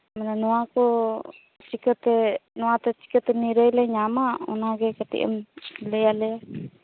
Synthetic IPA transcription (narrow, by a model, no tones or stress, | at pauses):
mɛnanɔwakɔ | t͡ʃikət̪ɛnɔwat̪ɛt͡ʃi̥kət̪ɛniɾəjlɛɲamaɔ̰naɡɛkat̪ɛ̰ʔə̰mlɛjalɛja